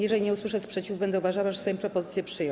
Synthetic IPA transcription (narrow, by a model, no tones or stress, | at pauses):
jɛʐɛlʲiɲɛuswɘʂɛspʂɛt͡ɕivbɛnd̪ɛuvaʐawaʐɛsajɔ̃pɾɔpɔzɘt̪sjɛpʂɘjɔ̃